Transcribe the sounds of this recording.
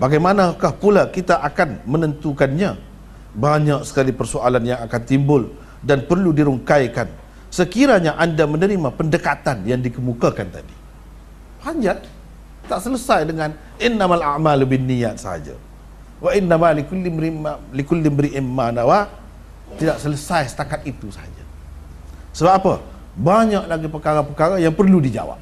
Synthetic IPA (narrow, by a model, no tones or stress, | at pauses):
baɡajmanakahpulakit̪aʔakanmənənt̪ukanɲa | baɲak̚sə̥kalipərsoalanjaŋakant̪imbʊl | danpərludiɾuŋkajkan | səkiɾaɲaʔandamənəɾimapəndəkat̪anjaŋdikəmukakant̪a̰di | haɲd͡ʒa | t̪aʔsələsajdəŋan | ɪnːamalaʔmalbɪnːijat̪̚sə̰ha̰d͡ʒa̰ | waʔinːamalikulimɾimalikulɪmbəɾiʔimːanawa | t̪idaʔsələsajsə̥t̪akat̪̚it̪usaha̰d͡ʒa̰ | səbapapə | baɲaʔlaɡipəkaɾapəkaɾajaŋpərludid͡ʒa̰wa̰p̚